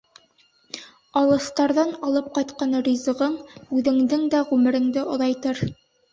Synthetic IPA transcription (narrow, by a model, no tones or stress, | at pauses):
ɑlˠɤ̆st̪ɑɾðɑnɑlˠɤp̚qɑjt̪qɑnrʲizɤ̆ʁɤɴʉðɘ̆ŋd̪ɘŋd̪æʁʉmɘ̆ɾɘ̆ŋd̪ɘʔŏðɑjt̪ɤɾ